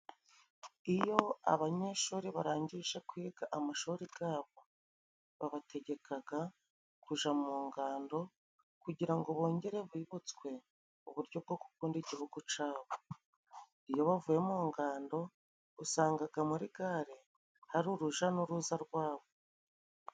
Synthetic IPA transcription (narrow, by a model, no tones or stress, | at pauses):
ijo̞a̰βaɲe̞ʃuːɾiβaɾaːɲɟiʒe̞kwiːɡaʔamaʃuɾiɡaːβo̞ | βaβatʰe̞ɟe̞kʰaɡa | kuʒamuːŋɡaːndo̞ | kuɟiɾaŋɡoβo̞ːɲɟe̞ɾe̞βwiːβut͡swe̞ | uβuɾjo̞b̚ɡo̞ku̥kuːndiɟihuɡut͡ʃaːβo̞ | ijo̞βavuje̞muːŋɡaːndo̞ | usaːŋɡaɡamuɾiɡaɾe̞ | haɾuɾuʒanuɾuːzaɾɡwaːβo